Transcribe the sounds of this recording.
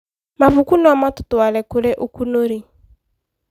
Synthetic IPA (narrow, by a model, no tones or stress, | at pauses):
mavʊkunɔamatʊtʊalɛkʊɾeʔokunoɾi